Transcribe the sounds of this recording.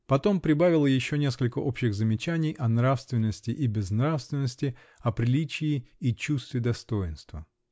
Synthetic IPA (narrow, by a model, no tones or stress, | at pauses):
pɐt̪o̞mpɾʲɪbavʲɪlˠəjɪɕːonʲe̞skəlʲkəʔo̞pɕɪɣzəmʲɪt͡ɕænʲɪjʔɐnɾafst̪vʲɪnːəsʲtʲɪʔibʲɪznɾafst̪vʲɪnːəsʲtʲɪ | ɐpɾʲɪlʲit͡ɕɪɪit͡ɕust̪vʲɪd̪ɐst̪o̞jɪnst̪və